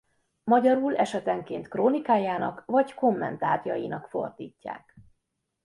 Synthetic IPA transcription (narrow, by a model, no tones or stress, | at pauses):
mɒɟɒɾuːlɛʃɛt̪ɛŋkeːnt̪kroːnikaːjaːnɒkvɒɟko̞mːɛ̰nt̪aːt̪jɒjinɒkfo̞̰rd̪iːcːa̰ːk